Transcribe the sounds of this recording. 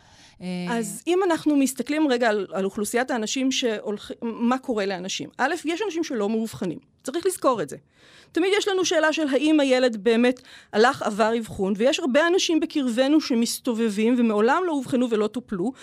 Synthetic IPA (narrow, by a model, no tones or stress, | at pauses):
azimanaχnumist̪ɐklimʁeɡaːlaluχlusijataːnaʃimʃe̞ʔolχimako̞ʁe̞leanaʃḭmʔalefjeʃanaʃ̬imʃe̞lo̞meuvχanḭm | t͡saʁiχlizko̞ʁetze | tamidjeʃlanuʃe̞ːlaʃe̞lɦaʔimaje̞le̞dbe̞ːme̞talaχa̰vaʁivχunvejeʃhaʁbeanaʃimbekiʁve̞nuʃe̞mist̪o̞ve̞vimvemeo̞lamlo̞uvχanuvelo̞toplu